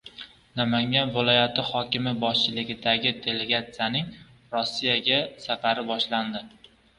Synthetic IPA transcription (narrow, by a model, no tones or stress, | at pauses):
namaŋʲanvɪlˠɒjat̪ʰɪhɒkʲɪmɪbɒʃt͡ʃʰɪlɪɡʲɪd̪aɡʲɪt̪ʰe̞le̞ɡat̪sijanɪŋ | ɾosːijaɡʲasafaɾɪbɒʃland̪ɪ